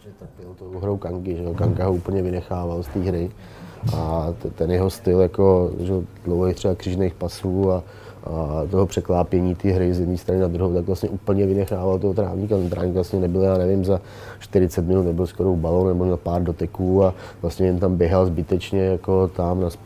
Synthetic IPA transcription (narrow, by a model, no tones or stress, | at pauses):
ɛt̪apɪlt̪owɦɾowkaŋkɪʒɛjokaŋkaɦouːpl̩ɲɛvɪnɛxaːvalst̪iːɦɾɪ | ʔat̪ɛnjɛɦost̪ɪljako̞ʒɛod̥lowɦejxt̪r̥ɛbakr̥iːʒnejxpasuːa | ʔat̪oɦopr̥ɛklaːpjɛɲiːt̪iːɦɾɪzjɛdniːst̪ɾanɪnad̪ɾuɦowt̪aɡvlasɲɛʔuːpl̩ɲɛvɪnɛxaːvalt̪oɦot̪ɾa̰ːvɲikat̪ɛnt̪ɾaːvɲikvlastɲɛnɛbɪljaːnɛvɪmza | ʃt̪ɪɾɪt͡sɛt̪mɪnut̪nɛbɪlskoɾowbalownnɛbomɲɛlpaːɾdo̞t̪ɪkuːavlast̪ɲɛjɛnt̪ambjɛɦalzbɪt̪ɛt͡ʃɲɛjako̞t̪amnas